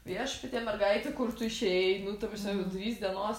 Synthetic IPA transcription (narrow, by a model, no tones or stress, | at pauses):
iɐʃpʲɐt̪ʲiɛmʲɛrɡɐɪt̪ʲekʊrt̪ʊɪʃʲeɛɪnʊt̪ɐpʋʲɪsʲoːkʲɛʊd̪ʲʋʲiːsd̪ʲiɛnoːs